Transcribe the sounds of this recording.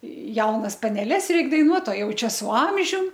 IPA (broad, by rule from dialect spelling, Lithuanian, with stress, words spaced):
ˈjɛʊnɐs pɐnʲɛˈlʲɛs ˈrʲɛɪk dɐɪˈnuɔt oː ˈjɛʊ ˈt͡ʃʲɛ sʊ ˈɐmʲʒʲʊm